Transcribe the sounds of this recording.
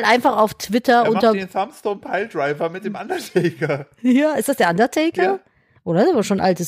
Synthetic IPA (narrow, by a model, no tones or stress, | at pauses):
lʔaɪnfaχaʊftv̥ɪtɐʔʊntɐdenθamstoːnpʰaɪldʁaɪvɐmɪt̚d̥eːmʔandɐtʰɛɪkɐ | jaːɪstd̥asd̥eːɐʔandɐtʰɛɪkɐ | ʔoːdɐdɛvaʃoːnʔa̰ltəs